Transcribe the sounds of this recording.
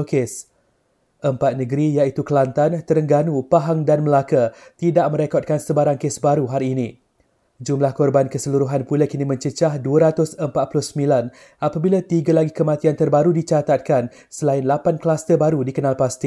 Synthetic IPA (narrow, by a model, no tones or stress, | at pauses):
okes | ʔəmpat̪̚nə̃ɡəɾijait̪ukəlant̪ant̪əɾəŋɡanũpaɦaŋdanməlakat̪idaʔmə̃ɾekɔt̪̚kansəbaɾaŋkesbaɾuɦaɾiːnĩ | d͡ʒumlahkɔrbankəsəluɾuɦanpulakinimə̃ɲt͡ʃət͡ʃahduəɾat̪ʊsəmpat̪̚pulʊhsəmĩlan | ʔapabilat̪iɡalaɡikəmat̪iant̪ərbaɾudit͡ʃat̪at̪̚kan | səlaɪnlapankəlast̪əbaɾudikənalpast̪i